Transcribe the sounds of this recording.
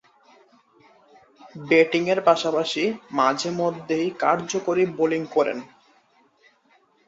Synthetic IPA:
beʈiŋeɾpaʃapaʃimad͡ʑʱemod̪ʱːejkaɾd͡ʑokoɾiboliŋkɔɾḛn

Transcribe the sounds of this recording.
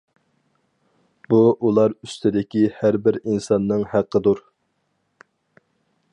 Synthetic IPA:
b̥uʔulˠɑɾyst̪ʰɪd̪ɪkʲihæɾbɪɾinsɑnːɨŋhæqʰːəd̪uɾ

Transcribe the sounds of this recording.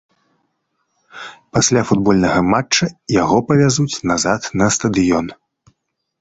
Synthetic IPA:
pasʲlʲafud̪̚bɔlʲnɐɣɐmat͡ʂːɐjaɣɔpɐvʲazut͡sʲnazat̪nɐst̪ɐd̪ɨjɔn

